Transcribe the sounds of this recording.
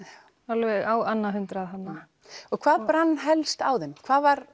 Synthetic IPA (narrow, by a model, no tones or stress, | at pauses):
alvɛɣaːwanːaɦʏnt̪ɾaðɦanːa | ɔɣkʰvaːðpɾanːɦɛlst̪aːwðɛnkʰv̥aːðvaɾ